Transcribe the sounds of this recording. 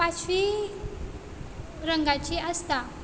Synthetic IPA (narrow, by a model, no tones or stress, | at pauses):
pat͡ʃi | ɾəŋɡat͡ʃiast̪a